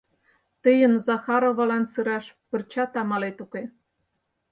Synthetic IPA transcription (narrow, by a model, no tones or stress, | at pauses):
t̪əjə̆nzɑxɑɾoβɑlɑnsɯɾɑʃpə̆rt͡ɕɑt̪ɑmɑlet̪uke